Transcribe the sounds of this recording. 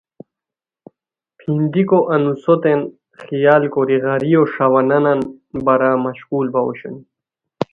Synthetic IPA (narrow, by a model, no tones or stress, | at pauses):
pʰind̪ikoʔɐnusot̪en | xijaːlkoɾiɣaɾijoʂawɐnananbɐɾamɐɕkuːlbawṵɕṵni